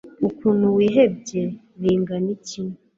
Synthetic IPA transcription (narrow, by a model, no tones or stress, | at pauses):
ukuːnuwiːɦeb̚je | ɾiːŋɡanicinu